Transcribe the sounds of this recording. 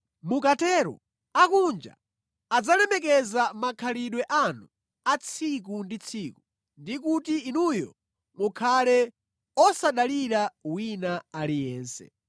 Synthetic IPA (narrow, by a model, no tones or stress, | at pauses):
mukatɛɾɔ̰ | akund͡ʒa̰ | ad͡zalɛmɛkɛzamakʰaliɗwɛʔanu | at͡sʰik̬undit͡sʰiːku | ndikutiːnujɔ̰ | mukʰalɛ | ɔsaɗaliɾawinaalijɛːnsɛ̰